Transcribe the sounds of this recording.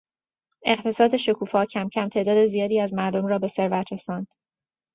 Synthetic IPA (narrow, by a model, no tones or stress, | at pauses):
e̞ɢt̪ʰe̞sɒːd̪e̞ʃokʰuːfɒːcʰæmcʰæmt̪ʰe̞ʔd̪ɒːd̪e̞zijɒːd̪iːæzmæɾd̪o̞mɾɒːbe̞se̞ɾvæt̪ʰɾe̞sɒːnd̪̥